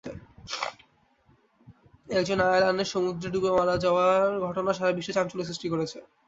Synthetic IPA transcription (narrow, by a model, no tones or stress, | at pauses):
ɛkd͡ʑonalaneɾʃomud̪ɾeɖubemaɾad͡ʑaoaɾɡʱɔʈonaʃaɾabiʃːeʃamt͡ɕoles̬ɾiʃʈikoɾet͡ɕʰe